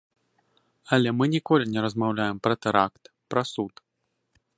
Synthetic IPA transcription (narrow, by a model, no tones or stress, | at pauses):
ɐlʲɛmɨnʲikɔlʲinʲɛɾɐzmawlʲajɛmpɾɐt̪ɛɾakt̪ | pɾɐsut̪